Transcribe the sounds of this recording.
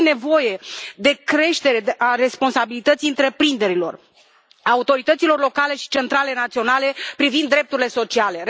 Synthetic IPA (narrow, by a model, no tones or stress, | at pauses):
ne̞vo̞je̞d̪e̞kɾe̞ʃt̪e̞ɾe̞ʔare̞spo̞nsabilit̪ət̪siɨnt̪ɾe̞pɾind̪e̞ɾilo̞̰r | aut̪o̞ɾit̪ət̪silo̞rlo̞kale̞ʃi̥t͡ʃe̞nt̪ɾale̞nat̪sio̞nale̞pɾivind̪ːɾe̞p̚t̪uɾile̞so̞t͡ʃiale̞ɾ